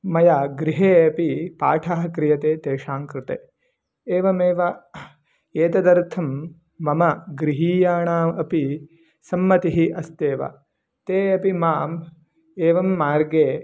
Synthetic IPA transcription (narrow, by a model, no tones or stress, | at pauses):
mɐjaɡɾiɦeːɐpipa̰ːʈʰaːɦɐkɾɪjɐt̪eːt̪eːʃaːŋkɾɪt̪eː | eːʋɐmeːʋɐ | eːt̪ɐd̪ɐɾt̪ʰɐmː | ɐmɐɡɾiɦiːjaːɳaːmɐpi | sɐmːɐt̪iɦiʔɐst̪eːʋɐ̰ | t̪eːɐpimaːm | eːʋɐmːaːɾɡeː